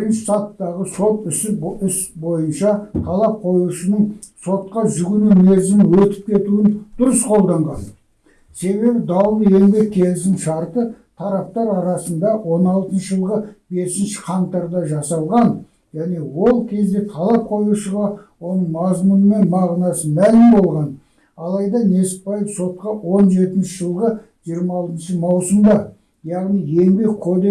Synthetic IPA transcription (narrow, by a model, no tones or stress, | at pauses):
bbɪɾɪnʃɪ̥sɑt̪ːɑʁəso̞t̪ʏsɪʏsbo̞jənʃɑt̪ʰɑlˠɑp̚qʰo̞juʃənəɴ | so̞t̪qɑʒʏɡʲɪnume̞ɾzɪmwɵt̪ɪ̥p̚kʲʰe̞t̪uɪnd̪̥ʊɾəsqʰo̞lˠd̪ɑɴʁɑn | se̞βe̞bɪd̪ɑwlˠəe̞lbe̞kʲʰːe̞lɪsɪnʃɑɾt̪ə | t̪ʰɑɾɑp̚t̪ɑɾɑɾɑsənd̪ɑwo̞nɑlˠt̪ənʃəʒəlˠʁəbe̞sɪnʃɪ̥qʰɑnt̪ɑɾd̪ɑʒɑsɑlˠʁɑn | ʒænewo̞lˠkʲʰe̞zd̪e̞t̪ʰɑlˠɑp̚qʰo̞juʃəʁɑwo̞nəɴmɑzmunəme̞nmɑʁnɑsəmælɪmbo̞lˠʁɑn | ɑlˠɑjd̪ɑne̞sɪ̥t̪̚pɑjəpso̞t̪̚qɑwo̞nʒe̞t̪ɪnʃɪʒəlˠʁə | ʒ̥ijəɾmɑɑlˠt̪ənʃəmɑwsʊmd̪ɑ | jɑʁnije̞lbe̞kʲʰo̞d̪e